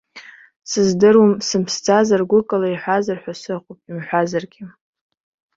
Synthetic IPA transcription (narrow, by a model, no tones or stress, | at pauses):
sɨzdɨrwamsɨmpʰst͡sʰʼazarɡʷʊkʼalaiħʷazarħʷᶣasɨqʷʼʊpʼimħʷᶣazarɡʲɪ